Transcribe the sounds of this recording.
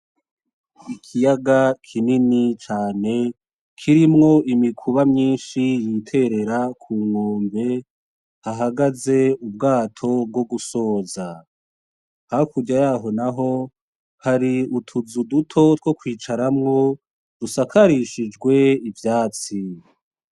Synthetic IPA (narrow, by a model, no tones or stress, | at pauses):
ikʰijaɡakʰininit͡ʃaːne̞ | kʰiɾimŋo̞ʔimikʰuβamɲiːnʃijiːtʰe̞ɾe̞ɾakʰuːmoːmbe̞ | haɦaɡaze̞ubɡaːtʰo̞b̚ɡo̞ɡuso̞ːza | hakuɟajaːɦo̞naɦo̞ | haɾiutʰuzudutʰo̞two̞kwiːt͡ʃaɾamŋo̞ | dusakʰaɾiʃid͡ʒɡwe̞ivjaːt͡si